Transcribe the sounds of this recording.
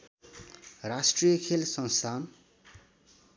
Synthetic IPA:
rasʈrijʌkʰelsʌnst̪ʰan

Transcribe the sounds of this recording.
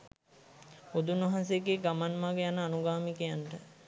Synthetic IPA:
od̪unʋɐɦans̬ejeɡeːɡamanmaɡəjanəanuɡaːmikəjanʈə

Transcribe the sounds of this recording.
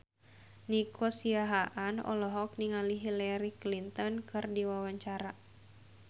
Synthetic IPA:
nikʰɔsiaɦaʔanɔ̰lɔɦɔk̚niŋaliɦilaɾiklint̪ɔnkɨrdiwawaɲt͡ʃaɾa

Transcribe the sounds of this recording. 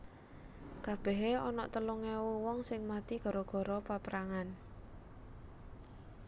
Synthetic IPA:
kab̥ɛ̤ɦeɔnɔʔt̪əluŋɛwuwɔŋsɪŋmat̪iɡ̥ɔ̤ɾɔɡ̥ɔ̤ɾɔpapəɾaŋan

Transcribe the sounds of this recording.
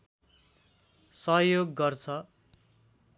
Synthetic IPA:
sʌɦjoɡːʌrt͡sʰʌ

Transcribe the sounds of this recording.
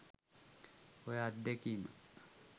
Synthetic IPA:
ojad̪ːekiːma̰

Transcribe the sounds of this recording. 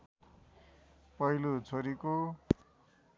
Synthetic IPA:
pʌɦilut͡sʰoɾiko

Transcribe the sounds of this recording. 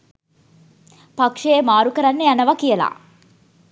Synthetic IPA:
pɐkʂeeːmaːɾukɐɾɐnːeɐnɐʋɐkijɐla̰ː

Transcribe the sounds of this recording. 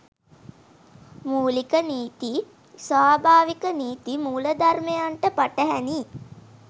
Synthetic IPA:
muːlikəniːt̪i | sʋaːbʱaːʋikəniːt̪imuːləd̪armejaɳʈəpaʈəɦæni

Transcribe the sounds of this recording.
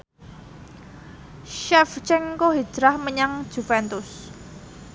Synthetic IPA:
ʃɛft͡ʃɛŋkoɦi̥d͡ʒ̥ɾahməɲaŋ̥ʒ̥ṳfɛnt̪ʊs

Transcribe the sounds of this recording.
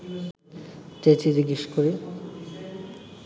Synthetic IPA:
t͡ɕet͡ɕid͡ʑiɡiʃkoɾi

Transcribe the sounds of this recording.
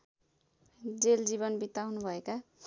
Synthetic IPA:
d͡zeld͡ziβʌnbit̪awnubʱʌeka

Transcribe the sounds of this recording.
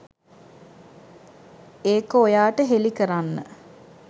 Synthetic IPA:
eːkəojaːʈəɦelikəɾanːə̰

